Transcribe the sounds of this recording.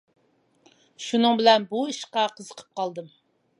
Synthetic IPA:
ʃunɨŋbɪlɛnbuiʃqɑqʰəzəqʰə̥p̚qʰɑlˠd̪ɨm

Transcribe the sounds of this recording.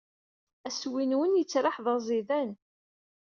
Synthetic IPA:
æswinwənjət͡sːɾˤɑħðˤəzˤiðæn

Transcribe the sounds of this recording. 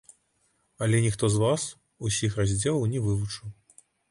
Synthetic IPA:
alʲɛnʲixt̪ɔzvas | usʲixrazʲd͡zʲɛlˠɐwnʲɛvɨvut͡ʂɨw

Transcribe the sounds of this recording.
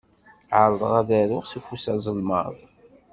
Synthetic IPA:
ʕəɾˤðˤʁæðæɾʊʁsufusæzˤəlmə̰ðˤ

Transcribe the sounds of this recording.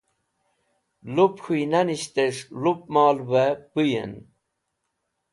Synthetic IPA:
lupxʰujnaniɕt̪eʂlup̚mɑːlbapujḛn

